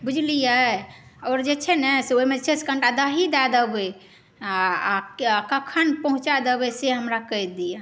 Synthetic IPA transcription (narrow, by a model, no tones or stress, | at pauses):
bud͡ʒʱlijəɔɾd͡ʒet͡ʃʰɛnɛseoimet͡ʃeskə̃ɳʈad̪əɦid̪ad̪əbe | akəkʰənpəɦũt͡ʃad̪əbeseɦəmɾakəjd̪ija